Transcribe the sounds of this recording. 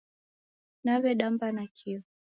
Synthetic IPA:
naβɛɗambanakʰiɔ

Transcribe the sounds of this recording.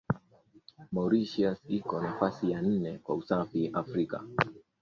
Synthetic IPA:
mɔɾiʃiasikɔnafasijan̩nɛkwausafiʔafɾika̰

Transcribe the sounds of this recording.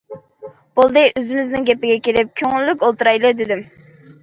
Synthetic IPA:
b̥olˠd̪ɨʔøzɪmɪznɪŋɡʲɛpɪɡʲɛkʲelɪp̚kʲʰøŋɪlːykʲolˠt̪uɾɑjlˠɨd̪ɪd̪ɪm

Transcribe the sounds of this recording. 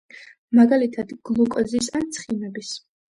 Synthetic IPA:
maɡalit̪ʰad̪ɡ̥lˠukʼɔzisant̪sʰχinɛbis

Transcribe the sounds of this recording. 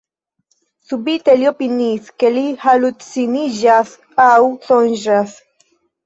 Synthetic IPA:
subit̪eliopiniskelihalut̪siniʒas | awsonʒas

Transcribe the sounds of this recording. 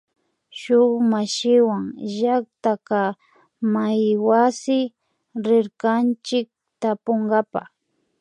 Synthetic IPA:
ʃʊχmaʃɪwaŋʒak̚t̪aka | majwasɪ | ɾɪɾkant͡ʃɪk̚ | t̪apoŋɡapa

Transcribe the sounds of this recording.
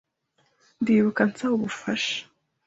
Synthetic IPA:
ndiːβukant͡sauβufaʃḁ

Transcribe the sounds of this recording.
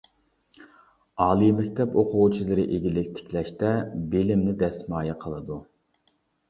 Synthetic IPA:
ɑːlˠɨmɛkʲt̪ʰɛpoqʰʊwt͡ʃʰilˠɨɾɪʔeɡʲilɪkʲt̪ʰɪ̥kʲlɛʃt̪ɛbelɪmnɪd̪ɛsmɑːjɑqʰəlˠɨd̪u

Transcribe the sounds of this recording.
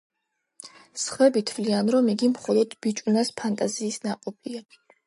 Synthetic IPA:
sχɛbit̪ʰvlianɾɔmiɡimχɔlˠɔd̪̥b̥it͡ʃʼunaspʰant̪ʼaziːsnaqʼɔpʰia

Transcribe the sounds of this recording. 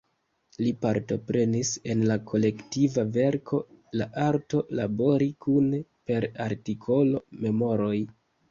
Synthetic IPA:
lipaɾto̞pɾe̞nise̞nlakʰo̞le̞ktivave̞ɾkʰo̞laʔaɾto̞labo̞ɾikunpe̞ɾaɾtikʰo̞lo̞me̞mo̞ɾo̞j

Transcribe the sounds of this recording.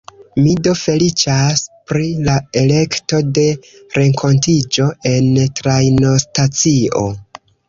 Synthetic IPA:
mido̞fe̞lit͡ʃaspɾilae̞le̞kto̞de̞ɾe̞ŋkʰo̞ntid͡ʒo̞e̞ntɾajno̞stat͡sio̞̰

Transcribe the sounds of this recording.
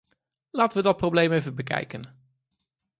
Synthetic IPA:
laːtənʋədɑt̚prowblejmejvəbəkɛ̰jkən

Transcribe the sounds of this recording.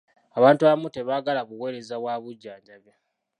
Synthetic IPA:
aβaːntuaβmute̞βaːɡalaβuwe̞ːɾe̞zaβwaβuɟːaːɲɟaβje

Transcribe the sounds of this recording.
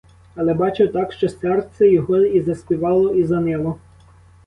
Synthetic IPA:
ɐlˠɛbɑt͡ʃɪwt̪ɑkʃt͡ʃɔsɛrt̪sɛjɔɦɔizɐspʲiʋɑlˠɔizɐnɪlˠɔ

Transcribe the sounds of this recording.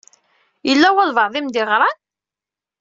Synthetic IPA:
jəlːæwæðvəʕðˤimd̪ɪʁɾˤɑn

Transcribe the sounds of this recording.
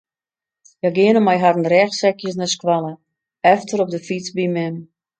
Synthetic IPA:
jaɡɪənəmajɦadənrɛːxsɛkjəsnɛskwalə | ɛftərɔp̚dəfit͡sbimɛm

